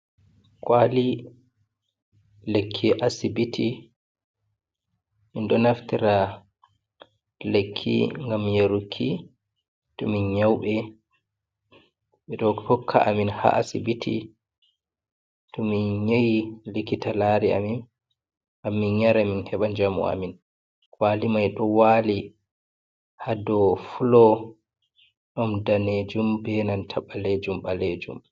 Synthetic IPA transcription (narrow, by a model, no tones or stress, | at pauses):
kwali | lekʰːiʔasibitʰi | minɗɔnaftiɾa | lekʰːḭŋɡamjeɾukʰːi | tɔminɲawɓɛ | ɓɛɗɔhɔkʰːa̰ʔaminha̰ʔasibitʰḭ | tɔminɲejilikitalaɾia̰min | ʔamːinɲaɾaminhɛɓand͡ʒamṵa̰min | waːlimajɗɔwaːli | hadɔfulɔ | ɗɔmdaned͡ʒumbɛnantʰaɓːaled͡ʒumɓaled͡ʒṵm